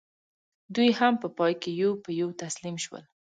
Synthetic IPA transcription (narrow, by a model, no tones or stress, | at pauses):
d̪ujhampəpɑjkejowpəjowt̪aslimʃwə̰l